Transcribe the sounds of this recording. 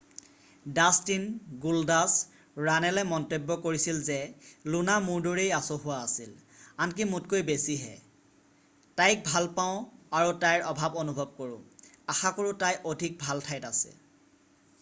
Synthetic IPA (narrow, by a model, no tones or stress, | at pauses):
dastinɡuldas | ɹanɛlɛmɔntebːɔkoɹisilzɛlunamuɹdoɹejasoɦʊwaːsilank̬imutkojbesiɦɛ̰ | tajk̚bʱalpaʊ̃aɹutajɹɔbʱabonubʱɔb̚koɹʊ̰̃axakoɹutajʔodʱik̚bʱaltʰajtasɛ̰